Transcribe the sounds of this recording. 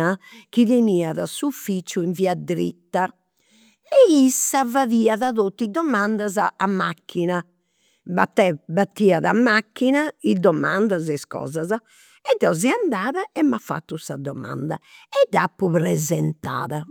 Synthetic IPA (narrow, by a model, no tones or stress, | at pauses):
ak̟iðiniːaða̰suufit͡ʃuiɱviːad̪ɾḭt̪ːa | ɛisːavaðiːaðaðot̪ːid̪ɔmand̪azaamːakʰːina | bat̪ːɛbat̪ːiːaðamːakːinaid̪ɔma̰nd̪azɛskɔ̰ːzaza | ɛd̪ɔziand̪aːðaɛmːafːa̰t̪ːusad̪ɔma̰nd̪a̰ɛd̪apːuβɾɛzɛnt̪a̰ːða